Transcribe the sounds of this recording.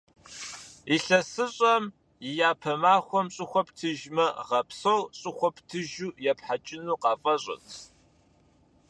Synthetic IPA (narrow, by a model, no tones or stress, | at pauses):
iɬɐsɨɕʼɐm | ɪjaːpʰɐmaːχʷɔmɕʼɪxʷɔptʰɨʒmɐʁɐpsowɕʼɪxʷɔptʰɨʒuːjɛpħat͡ʃʼɪnuːqɑːfʼɐɕʼɪ̰n